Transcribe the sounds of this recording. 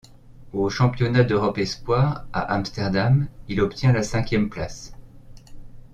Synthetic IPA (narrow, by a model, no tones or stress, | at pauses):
oʃɑ̃pjɔnad̪øʁɔpɛspwaʁa̰ʔamst̪ɛʁd̪amilɔpt̪jɛ̃lasɛ̃kʲjɛmplas